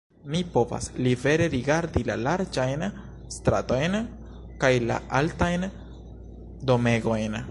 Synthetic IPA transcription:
mipo̞va̰slive̞ɾe̞ɾiɡaɾdilalaɾd͡ʒajn | st̪ɾa̰to̞jn | kajla̰altajn | do̞me̞ɡo̞jn

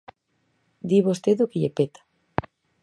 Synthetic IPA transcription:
d̪iβost̪eðokeʎepet̪ḁ

